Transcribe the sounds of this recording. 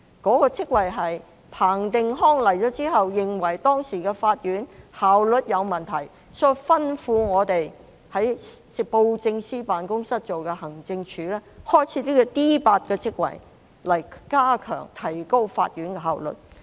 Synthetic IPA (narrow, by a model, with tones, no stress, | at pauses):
kɔː˨˥kɔː˧t͡sʰɪ˥k̚wɐ˨˩jɦɐ˨j | pʰaː˨˩ŋt̪ɪ˨ŋɦɔː˥ŋlɐ˨˩jt͡ʃɔː˨˥t͡siː˥ɦɐ˨wjɪ˨ŋwɐ˨˩jt̪ɔː˥ŋsiː˨˩kɛː˧faː˧t̚jyː˨˥nhaː˨wlɵ˨t̚jɐ˨˧wmɐ˨nt̪ʰɐ˨˩j | sɔ˥fɐ˥nfuː˧ŋɔː˨˧t̪e˨j | hɐ˨˥jspo˧wt͡sɪ˧ŋsiː˥paː˨nkʊ˥ŋsɐ˥t̚t͡so˨wkɛ˧hɐ˨˩ŋt͡sɪ˧ŋt͡ʃʰyː˨˧lɛː˥hɔː˥jt͡sʰiː˨˧˥liː˥kɔ˧t̪iː˥paː˧t̚kɛː˧t͡sʰɪ˥k̚wɐ̰˨˩j | lɐ˨˩jkaː˥kʰœ̰ː˨˩ŋt̪ʰɐ˨˩jko˥wfaː˧t̚jɥyː˨˥nkɛ˧ɦaː˨wlɵ̰˨t̚